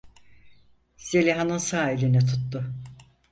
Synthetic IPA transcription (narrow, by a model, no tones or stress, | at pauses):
selʲiɦanɯnsaːelʲinɛt̪ʰut̪ːʊ